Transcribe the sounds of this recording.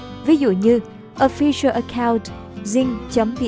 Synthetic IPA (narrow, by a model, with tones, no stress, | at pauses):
vi˨˦zṵ˧˨ɲɨ˧ | ʔo˧fi˧ʃə˧ʔə˧kʰa˧wnt | zi˧ŋt͡ɕə˨˦mɓḭ˧˨